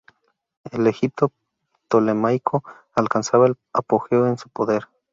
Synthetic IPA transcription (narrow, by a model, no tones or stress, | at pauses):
e̞lexip̚t̪o | t̪o̞lemajkʰo̞ | alkansaβael | apo̞xe̞oe̞nsupo̞ðe̞ɾ